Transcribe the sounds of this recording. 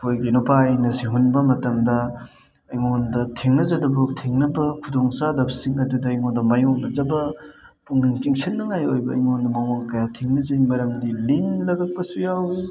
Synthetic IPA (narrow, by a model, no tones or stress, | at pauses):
ɐkʰojɡinupajnɐsiɦunbɐmɐtɐmdɐː | jŋondɐtʰeŋnɐzɐdɐbutʰeŋnɐbɐkʰudoŋsadɐbsiŋɐdudɐːjŋondɐmɐjoŋnɐzɐbɐ | puŋniŋt͡ʃiŋsʰinnːɐŋajojbɐɐ̰jŋondɐmɐwaŋkɐjatʰeŋnɐzɐimɐɾɐmdilinlɐɡɐk̚pɐsujawi